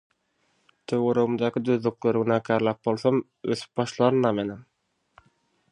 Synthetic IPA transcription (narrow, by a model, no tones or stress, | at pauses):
t̪ʰøɣøɾøɣumd̪ɑːkʰid̪øðlykløɾɡynæːkʰæːɾlˠæːp̚bo̞lˠθom | øθy̥p̚bɑʃlˠɑɾɯnːɑmenem